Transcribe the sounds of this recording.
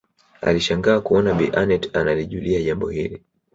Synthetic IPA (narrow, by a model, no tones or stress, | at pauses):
a̰liʃaŋɡaːkuɔnaɓiʔanɛtanaliʄuliaʄambɔhili